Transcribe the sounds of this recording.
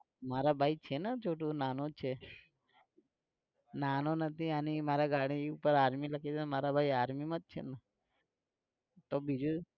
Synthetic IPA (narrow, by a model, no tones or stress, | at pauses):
maɾabʱait͡ʃʰenat͡ʃʰoʈunanõt͡ʃʰe | nanonət̪ianimaɾaɡaɽ̃iupəɾaɾmiləkʰet͡ʃʰemaɾabʱaiaɾmimãd͡ʒ̚t͡ʃʰḛna | t̪obʱid͡ʒu